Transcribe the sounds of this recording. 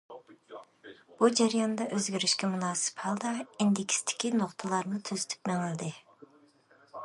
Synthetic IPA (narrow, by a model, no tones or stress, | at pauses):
b̥ud͡ʒæɾjɑnd̪ɑʔøzɡʲiɾiʃkʲɛmunɑːsɨ̥phɑlˠd̪ɑind̪ɪkʲst̪ʰɪ̥kʲinoχt̪ʰɨlˠɑɾnɨt̪ʰøzy̥t̪ʰy̥pmɛŋɪld̪ɪ